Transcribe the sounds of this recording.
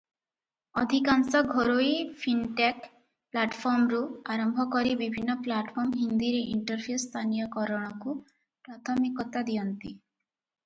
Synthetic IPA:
ɔd̪ʱikansɔɡʱoɾoipʰinʈak | plaʈpʰɔɾmɾuaɾɔmbʱɔkɔɾibibʱinːɔplaʈpʰɔɾmɦind̪iɾeʔiɳʈɔɾpʰijust̪ʰanijɔkɔɾɔɽ̃ɔku | pɾat̪ʰɔmikɔt̪ad̪ijɔnt̪i

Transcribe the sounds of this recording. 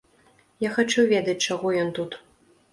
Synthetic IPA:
jaxat͡ʂuvʲɛd̪ɐt͡s̚ʲt͡ʂaɣɔjɔnt̪ut̪

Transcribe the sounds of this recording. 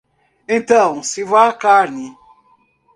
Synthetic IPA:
ẽnt̪ɐ̃w̃sivakaɾni

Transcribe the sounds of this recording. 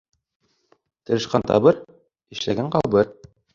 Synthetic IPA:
t̪ɤ̆ɾɘ̆ʃqɑnt̪ɑ̰βɤɾ | ɘ̆ʃlæɡæɴqɑlˠbɤɾ

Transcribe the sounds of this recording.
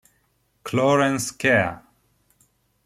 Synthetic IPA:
kʰlɔɹɛ̃nskʰɛ

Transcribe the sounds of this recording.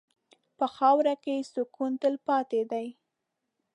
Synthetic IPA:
pəxɑwɾakesʊkunt̪əlpɑt̪ed̪aj

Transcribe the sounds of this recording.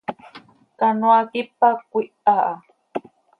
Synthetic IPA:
kanuakipakʷiʔaʔa

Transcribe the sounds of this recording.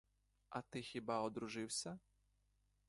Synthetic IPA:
ɐt̪ɪxʲibaɔd̪ɾʊʒɪwsʲɐ

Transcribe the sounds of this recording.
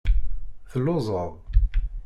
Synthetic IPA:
θəlːozˤəðˤ

